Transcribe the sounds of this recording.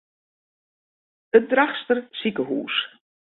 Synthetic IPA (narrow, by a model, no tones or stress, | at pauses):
ət̚draχstərsikəɦṵːs